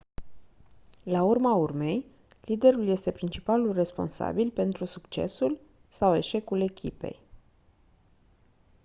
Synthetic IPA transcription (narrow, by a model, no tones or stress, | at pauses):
laurmaurme̞j | lid̪e̞ɾulje̞st̪e̞pɾint͡ʃi̥palulre̞spo̞̰nsa̰bilpe̞nt̪ɾusukt͡ʃe̞̰sul | sawe̞ʃe̞kule̞kʲʰḭpe̞̰j